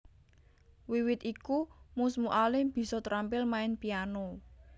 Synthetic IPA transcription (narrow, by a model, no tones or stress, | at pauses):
wiwɪt̪ikumusmuʔalib̥i̤sɔt̪əɾampɪlmaɪnpiano